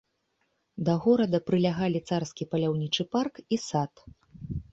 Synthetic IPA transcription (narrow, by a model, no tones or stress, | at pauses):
d̪ɐɣɔɾɐd̪ɐpɾɨlʲaɣalʲit̪sarskʲipɐlʲawnʲit͡ʂɨparkisat̪